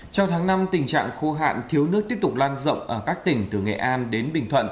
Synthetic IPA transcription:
t͡ɕɔ˧ŋ͡mt̪ʰaː˨˦ŋna˧mt̪ï˨˩ŋ̟t͡ɕa̰ː˧˨ŋxo˧ɦa̰ː˧˨nt̪ʰi˨˦əwnɨ˦˥k̪̚əpt̪ʊ˨˩k͡p̚laː˧nzə̰˧˨wŋ͡mʔəː˧˩kaː˦˥k̚t̪ï˨˩ŋ̟t̪ɨ˨˩ŋɛ̰˧˨˩ʔaː˧nɗe˨˦nɓï˨˩ŋ̟t̪ʰwə̰˧˨n

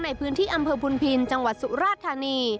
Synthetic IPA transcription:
na˧jpʰɯː˦˥nt̪ʰiː˥˩ʔa˧mpʰɤː˧pʰu˧npʰi˧nt͡ɕa˧ŋwa˨˩t̪̚su˨˩ɾaː˥˩tt̪ʰaː˧niː˧

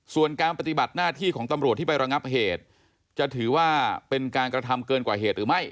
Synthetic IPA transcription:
su˨˩ənkaː˧npa˧˩t̪i˨˩ba˨˩t̪̚naː˥˩t̪ʰiː˥˩kʰɔː˩˦ŋt̪a˧mɾu˨˩t̪ʰːiː˥˩pa˧jɾa˧ŋa˦˥p̚ɦeː˨˩t̪̚ | t͡ɕa˨˩t̪ʰɯː˩˦waː˥˩pe˧nkaː˧nkɾa˧t̪ʰa˧mkɤː˧nkwaː˨˩ɦeː˨˩t̪̚ɾɯː˩˦ma˥˩j

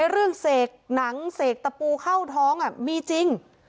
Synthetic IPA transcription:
jɾɯ˥˩əŋseː˨˩k̚na˩˦ŋseː˨˩k̚t̪a˧puː˧kʰa˥˩wt̪ʰɔː˦˥ŋʔa˨˩miː˧t͡ɕi˧ŋ

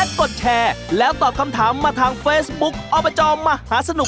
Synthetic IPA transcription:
ko˨˩t̪̚t͡ɕʰɛː˧lɛː˦˥wt̪ɔː˨˩p̚kʰa˧mt̪ʰaː˩˦mːaː˧t̪ʰaː˧ŋfeː˦˥sbu˦˥k̚ʔɔː˧pa˧t͡ɕɔː˧mmaː˧haː˩˦sa˧nu˨˩

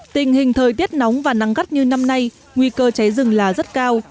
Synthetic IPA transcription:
t̪ï˨˩ŋ̟hï˨˩ŋ̟t̪ʰəː˨˩jt̪i˦˥ət̚nɔ˨˦wŋ͡mvaː˨˩na˨˧˦ŋɣa˦˥t̚ɲɨ˧na˧mna˧j | ŋwi˧kəː˧t͡ɕa˨˦jzɨ˨˩ŋlaː˨˩zə˦˥t̚kaː˧w

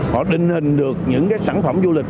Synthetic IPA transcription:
hɔ̰˧˨ɗï˨˩ŋ̟hï˨˩ŋ̟ɗɨ˨˩ək̚ɲɨ̰˧˥ŋkaː˨˦jsaː˧˩nfə˧˩mzu˧lï˨˩k̚

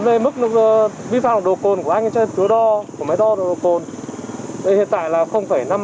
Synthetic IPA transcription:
ve˨˩mɨ˦˥k̚nː˨˩˨vi˧fa̰˧˨n̚˨˩ɗo˨˩ko˨˩nku˧˩əʔa˧jŋʔa˨˦t͡ɕɔ˧t̪ʰɨ˨˦əɗɔ˧ku˧˩əmaː˨˦jɗɔ˧ɗɗo˨˩ko˨˩nʰ | e˨˧˩hḭ˧˨ənt̪a̰ː˧˨jlaː˨˩xə˧wŋ͡mfaː˧˩jna˧m

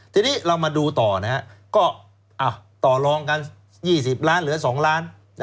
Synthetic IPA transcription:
t̪ʰiː˧niː˦˥˩ɾa˧wmaː˧duː˧t̪ɔː˨˩na˦˥ha˦˧˥kɔː˥˩ | ʔaː˨˩wt̪ɔː˨˩lɔː˧ŋka˧n | jiː˥˩si˨˩p̚laː˦˥nlɯː˩˦ɐ˥sɔː˩˦ŋlaː˦˥n˦

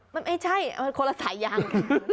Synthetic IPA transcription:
ma˧nma˥˩jt͡ɕʰa˥˩ja˧kʰo˧nla˧saː˩˦jːaː˧ŋ

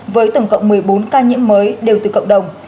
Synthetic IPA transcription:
vəː˨˦jt̪ə˧˩wŋ͡mkə̰˧˨wŋ͡mmɨ˨˩əjɓo˨˦nkaː˧ɲḭ˧˥əmːəː˨˦jɗe˨˩wt̪ɨː˨˩kə̰˧˨wŋ͡mɗə˨˩wŋ͡m

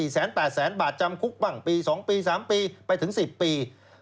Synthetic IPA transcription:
iː˨˩sɛː˩˦npɛː˨˩t̪̚sɛː˩˦nbaː˨˩t̪̚t͡ɕa˧mkʰu˦˥k̚wa˨˩ŋpiː˧sɔː˩˦ŋpiː˧saː˩˦mpiː˧pa˧jt̪ʰɯ˩˦ŋsi˨˩pːiː˧

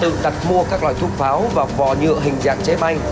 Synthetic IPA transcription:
t̪ɨ̰˧˨ɗ̪a˨˩t̚mu˧əkaː˦˥k̚lwaː˨˩jt̪ʰu˦˥p̚faː˨˦wvaː˨˩vɔ̰˧˨ɲɨ̰˧˨əɦï˨˩ŋ̟za̰ː˧˨ŋt͡ɕe˨˦ɓa˧jŋ

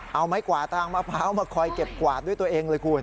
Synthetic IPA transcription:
ʔa˧wma˦˥jkwaː˨˩t̪ʰaː˧ŋmaː˧˩pʰaː˦˥wmaː˧kʰɔː˧jke˨˩p̚kwaː˨˩t̪̚d̪u˥˩jt̪u˧ʔeː˧ŋlɤː˧jkʰu˧ən

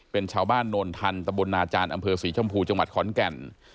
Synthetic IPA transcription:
pe˧nt͡ɕʰaː˧wbaː˥˩nːoː˧nt̪ʰa˧nt̪a˧mbo˧nːaː˧t͡ɕaː˧nʔa˧mpʰɤː˧siː˩˦t͡ɕʰɔ˧mpʰuː˧t͡ɕa˧ŋwa˨˩t̪̚kʰɔː˩˦nkɛ˨˩n

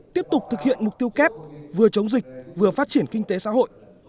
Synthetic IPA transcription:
t̪i˦˥əp̚t̪ʊ˨˩k͡p̚t̪ʰɨ˨k̚hḭ˧˨ənmʊ˨˩k͡p̚t̪i˧əwkɛ˦˥p̚vɨ˨˩ət͡ɕə˨˦wŋ͡mzï˨˩k̟̚vɨ˨˩əfaː˦˥t̚t͡ɕi˧˩ənkï˧ŋt̪e˨˦sa̰ː˧˥ɦo̰˧˨jʔ

